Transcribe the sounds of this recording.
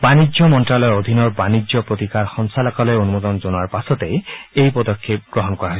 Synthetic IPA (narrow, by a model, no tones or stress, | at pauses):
banid͡ʒɔmɔnʈɾalɔeod̪ʱinɔɾbanid͡ʒɔpɾot̪ikaɾxɔŋsalakɔlɔeonumod̪ɔnd͡ʒonaɾpasɔt̪eejpɔd̪ɔkʰːep̚ɡɾɔɦɔnkɔɾaɦojʰ